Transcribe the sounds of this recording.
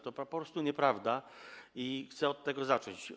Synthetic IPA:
t̪ɔppɔpɾɔst̪uɲɛpɾavd̪aixt̪sɛɔt̪ːɛɡɔzat͡ʂɔɲt͡ɕ

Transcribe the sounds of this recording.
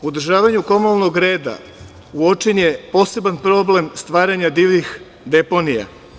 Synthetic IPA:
uod̪ɾ̩ʒaːʋaɲuko̞molˠno̞ɡɾe̞ːd̪a̰ | uot͡ʃenjepo̞ːse̞banpɾo̞ble̞mst̪ʋaːɾaɲad̪iːʋnix | d̪e̞po̞nija̰

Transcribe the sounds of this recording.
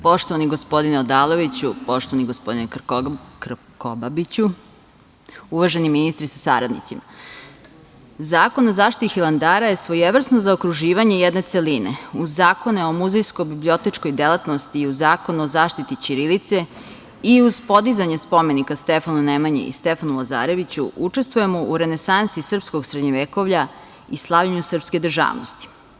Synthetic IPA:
po̞ʃt̪oʋaniɡospo̞d̪ineod̪aːlˠo̞ʋit͡ɕupo̞ʃt̪oaniɡospd̪inek | ko̰babit͡ɕu | uʋaʒe̞niminist̪ɾisasa̰ɾad̪nḭt̪sima | zaːkonozaːʃt̪it̪ixilˠand̪aːɾajesʋo̞jeʋr̩snozaokɾuʒiːʋaɲe̞jɛd̪ne̞t̪selinḛuzːaːko̞neo̞muzejskobiblio̞t̪e̞t͡ʃko̞jd̪elˠat̪nost̪iuzaːko̞nuozaːʃt̪it̪it͡ɕiɾilit̪se̞ | iuz̥po̞d̪izaɲespo̞me̞nikast̪efanunemaɲḛḭst̪efanulaza̰ɾe̞ʋit͡ɕṵut͡ʂe̞st̪ʋuje̞moʔuɾe̞ne̞sansisr̩psko̞ɡsɾed̪ɲoʋeko̞ʋʎa | islˠaʋʎaɲusr̩pske̞d̪r̩ʒa̰ːʋno̰st̪i̥

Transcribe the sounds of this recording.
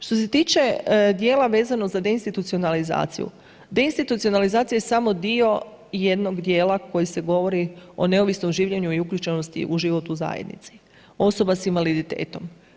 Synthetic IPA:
ʃt̪o̞se̞t̪iːt͡ʃe̞d̪je̞ːlaʋe̞ːzano̞zad̪e̞inst̪it̪ut̪sio̞naliza̰ːt̪sḭjṵ | d̪e̞inst̪it̪ut̪sio̞nalizaːt̪sijeesamo̞d̪io̞ | je̞d̪no̞ɡd̪je̞ːlˠako̞jise̞ɡo̞ʋo̞ɾio̞̰ne̞oʋisno̞mʒiːʋʎe̞ɲuiukʎut͡ʃeno̞st̪ḭʔuʒiʋo̞t̪uza̰jed̪nḭt̪si̥ | o̞so̞basinʋalid̪it̪e̞̰ːt̪o̞m

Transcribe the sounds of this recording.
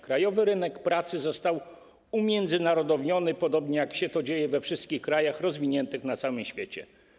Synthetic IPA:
kɾajɔvɘɾɘnɛkpɾat̪sɘzɔst̪aw | umʲjɛnd̪zɘnaɾɔd̪ɔvɲɔnɘpɔd̪ɔbɲɛjakɕɛt̪ɔd͡ʑejɛvɛfʂɘst̪kʲixkɾajaxɾɔzvʲiɲɛnt̪ɘxnat̪sawɘmɕfʲjet͡ɕɛ̰

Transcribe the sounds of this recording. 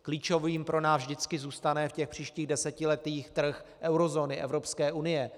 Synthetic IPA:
kliːt͡ʃo̞viːmpɾo̞naːzʒdɪt͡skɪzuːst̪anɛfcɛxpr̝̥iːʃciːɣdɛsɛcɪlɛt̪iːxt̪r̩xʔɛwɾozo̞ːnɪʔɛ̰vɾo̞pskɛːʔunɪjɛ

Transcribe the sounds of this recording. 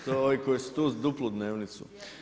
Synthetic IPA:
t̪ooikojesu̥t̪uːzd̪uplˠud̪neːʋnit̪sṵ

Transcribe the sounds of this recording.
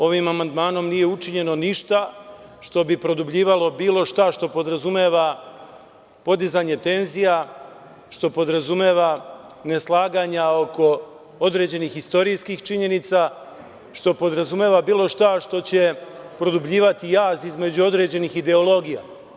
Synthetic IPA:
o̞ʋimamand̪maːno̞mnije̞ut͡ʃiɲe̞no̞niʃt̪aʃt̪o̞bipɾo̞d̪ubʎiːʋalo̞biːlˠo̞ʃt̪aʃt̪o̞po̞d̪ɾazumeːʋa | po̞d̪izaɲe̞t̪e̞nzija | ʃt̪o̞po̞d̪ɾazumeːʋane̞slˠaːɡaɲao̞ko̞ | o̞d̪ɾe̞d͡ʑe̞nixist̪o̞ɾijskixt͡ʃiɲe̞nit̪sa | ʃt̪o̞po̞d̪ɾazume̞ːʋabiːlˠo̞ʃt̪aʃt̪o̞t͡ɕe̞pɾo̞d̪ubʎiːʋat̪ijaːzizme̞d͡ʑuo̞d̪ɾe̞d͡ʑe̞nixid̪e̞o̞lˠo̞ɡija̰

